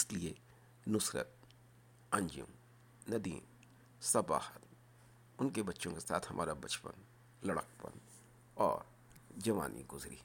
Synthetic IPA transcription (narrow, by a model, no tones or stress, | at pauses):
ɪslie | nʊsɾə̰t̪̚ | ɐ̃ɲd͡ʒjṵ̃ | nɐd̪ḭː | sɐba̰ːhət̪ | ʊnkebɐtːʃõkesa̰ːt̪ʰhɐmʔaːɾabɐt͡ʃpə̰n | lɐɽəkpə̰n | ɔːɾ | d͡ʒɐʋa̰ːnʔḭɡʊzɾḭː